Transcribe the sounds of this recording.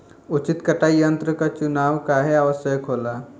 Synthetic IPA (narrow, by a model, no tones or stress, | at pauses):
ʊt͡ʃɪt̪kɐʈajənt̪ɾəkat͡ʃʊnaːʋkaɦeaʋəsjəkɦoːlaː